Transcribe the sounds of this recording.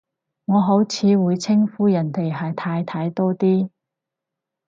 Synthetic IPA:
ŋɔː˨˧ɦo˨˥wt͡sʰiː˨˧wuː˨˧jt͡sʰɪ˥ŋfuː˨˥jɐ˨˩nt̪e˨˩jɦɐ˨jt̪ʰaː˧jt̪ʰaː˧jt̪ɔː˥t̪iː˥

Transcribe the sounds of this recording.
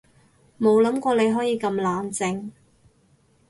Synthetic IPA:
mo˨˧wlɐ˨˥mkʷɔː˧le˨˧jɦɔː˨˥jiː˨˧kɐ˧mlaː˨˧nt͡sɪ˧ŋ

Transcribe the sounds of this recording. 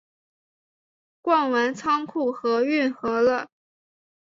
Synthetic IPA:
kwɑ˥˩ŋwa˧˥nt͡sʰɑ˥ŋkʰu˥˩xɤ˧˥y˥˩nxɤ˧˥lə˧

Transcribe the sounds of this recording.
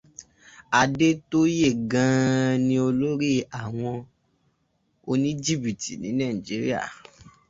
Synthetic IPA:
a˧de˦to˦je˦˨ɡã˧nĩ˧o˧lo˦ɾi˦a˦˨w̃ɔ̃˧ | o˧nĩ˦d͡ʒi˦˨bi˨ti˨nĩ˨˦nã˦˨i˨d͡ʒi˨˦ɾḭ˦a̰˦˨

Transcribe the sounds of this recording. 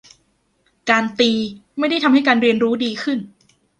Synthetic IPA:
kaː˧nt̪iː˧ma˥˩jda˥˩jt̪ʰa˧mha˥˩jkaː˧nɾi˧ənɾuː˦˥diː˧kʰɯ˥˩n

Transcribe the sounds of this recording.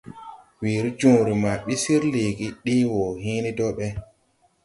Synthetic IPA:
wi˨ɾi˦d͡ʒũː˨ɾi˨ma˨ɓi˦si˦ɾle˨ɡi˦ɗi˦wɔ˨ɦiː˦ni˦dɔ˦ɓɛ˦

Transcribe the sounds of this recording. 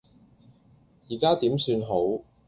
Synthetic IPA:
jiː˨˩kaː˥t̪iː˨˥msyː˧nɦo˨˥w

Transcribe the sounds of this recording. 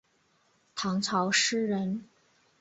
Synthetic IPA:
t̪ʰɑ˧˥ŋt͡sʰɑ˧˥ʊʂɻ̩˥ɻə˧˥n

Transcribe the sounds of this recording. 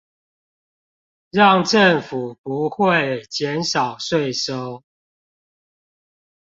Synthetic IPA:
ɻɑ˥˨ŋʈ͡ʂə˥˨ŋfu˨˩pu˨˦xwe˥˨ɪt͡ɕjɛ˨˦nʂɑ˨˩ʊʂwe˥˨ɪʂo˦ʊ

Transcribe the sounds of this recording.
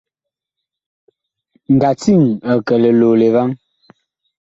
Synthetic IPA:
ŋ̩˨ɡa˨t͡si˦˨ŋə˨kɛ˨lɛ˨loː˨le˨va˦ŋ

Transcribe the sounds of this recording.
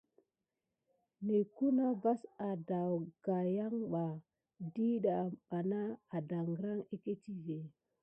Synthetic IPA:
ne˨ku˦na˦va˦sa˨da˨wɡ̥a˨ja˦ŋɓa˨ | di˦ɗa˨ɓa˨naː˦˨da˨ŋɡɾa˦ŋe˦ke˦ti˦ve˨

